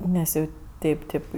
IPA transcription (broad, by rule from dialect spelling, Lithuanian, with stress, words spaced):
ˈnʲɛs jɛʊ ˈtʲɛɪp ˈtʲɛɪp